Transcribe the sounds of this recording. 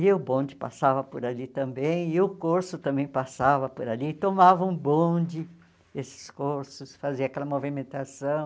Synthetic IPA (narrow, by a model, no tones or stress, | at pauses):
ɪʊbõd͡ʒɪpa̰savɐpoɾalit̪ɐ̃mbẽj̃ɪʊkoɾsʊt̪ɐ̃mbẽj̃pasavɐpoɾalit̪omavɐũbõd͡ʒɪ | esɪ̥skoɾsʊsfaziɐakɛlɐmovimẽnt̪asɐ̃w̃